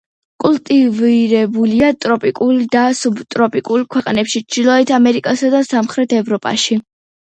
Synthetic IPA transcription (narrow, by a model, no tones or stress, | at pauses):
kʼulˠt̪ʼiviɾɛbuliat̪ʼɾɔpʼikʼuld̪asubt̪ʼɾɔpʼikʼulkʰwɛqʼnɛpʃit͡ʃʰd̪ilˠɔɛt̪ʰamɛɾikʼasad̪asamχɾɛt̪ʰɛvɾɔpʼa̰ʃi